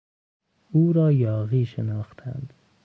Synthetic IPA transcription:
uɾɒːjɒːɣiʃɪnɒːχt̪ʰa̰nd̪

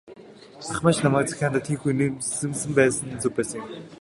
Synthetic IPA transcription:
t͡saχmaːt͡ɕnamaːkt͡sḁxʲaːnt̪at̪ʰiːxujnɘ̆msɘ̆mpæːsə̆nt͡sɵpæːsə

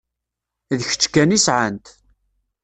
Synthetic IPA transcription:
ðəçə̥t͡sːkːænisʕənt̪

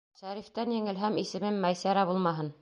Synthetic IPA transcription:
ʃæɾift̪ænjɘ̆ŋɘ̆lɦæmisɘ̆mɘmːæjsæɾæbulˠmɑɦɤn

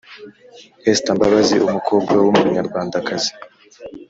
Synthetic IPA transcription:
hestambaβaziʔumukʰoːb̚ɡawumuɲaɾɡwaːndakazi̥

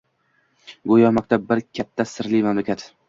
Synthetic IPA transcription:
ɡojɒmɒk̚t̪ʰabɪɾkʲʰat̪ʰːasɪɾlimamlakʲʰat̪

